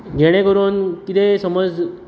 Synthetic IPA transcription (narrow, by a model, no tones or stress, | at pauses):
ɡʱeɽ̃ẽkəɾuːnkit̪ʰesəməd͡z